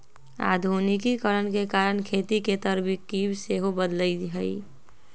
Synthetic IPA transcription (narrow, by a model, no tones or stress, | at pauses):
a̰ːd̪ʱunikikəɾənkekaːɾənkʰeːt̪iket̪əɾbikːibseɦobəd̪ləiɦəi